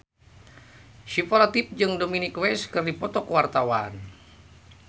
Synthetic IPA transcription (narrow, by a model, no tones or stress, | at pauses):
ʃipolat̪ip̚d͡ʒɨŋdominikwɛskɨrdipɔt̪ɔkəwart̪awan